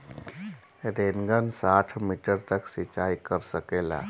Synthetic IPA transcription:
ɾeːnɡənsaːʈʰmiʈəɾt̪əksɪt͡ʃaːikəɾsəkeːla̰ː

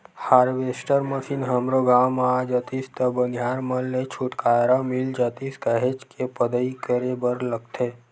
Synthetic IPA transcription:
haːɾʋeːsʈəɾməsinɦəmɾoɡaːmaːd͡ʒət̪ist̪əbənʱjaːɾməlːet͡ʃʰuʈkaːɾamild͡ʒət̪iskəɦet͡ʃkepəd̪əikəɾebəɾlək̚t̪ʰe

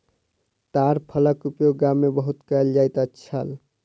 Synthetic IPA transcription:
t̪aɾpʰələkupjoɡamːebəɦut̪kəeld͡ʒajt̪ətːt͡ʃʰəl

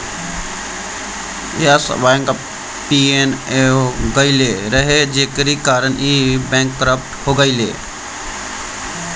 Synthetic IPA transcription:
jasʋaːŋk | piːeneɡəileːɾɐɦed͡ʒeːkəɾikaːɾəniːbɛ̃ːŋkːəɾəp̚ʈhoːɡəilḛː

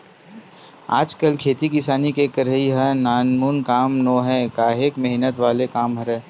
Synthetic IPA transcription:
a̰ːd͡ʒkəlkʰeːt̪ikɪsaːnikekəɾəiɦə̃naːnmuːnkaːmnoːɦɛkaːɦeːkmɛɦnət̪ʋaːlekaːmɦɐɾɛː

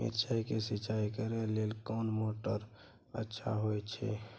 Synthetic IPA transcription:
mḛtt͡ʃaikesit͡ʃaikəɾelelkɔːnmoʈəɾ | ətːʃʰa̰ɦojt͡ʃʰɛ̰

